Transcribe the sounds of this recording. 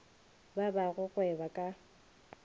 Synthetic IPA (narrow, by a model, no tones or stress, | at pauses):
babaɣʊɣwɛbakʼa